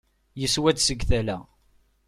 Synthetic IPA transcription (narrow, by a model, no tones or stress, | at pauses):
jəswæd̪səɡθælæ